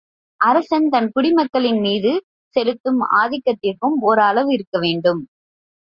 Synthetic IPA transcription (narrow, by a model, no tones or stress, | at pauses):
ʔɐɾɐsɐnt̪ɐnkʊɽɪmɐkːɐɭɪnmiːðɯ | sɛɾɯt̪ːɯma̰ːðɪkːɐt̪ːɪrkɯmɔɾɐlɐʋɯɪɾɯkːɐʋeːɳɖɯm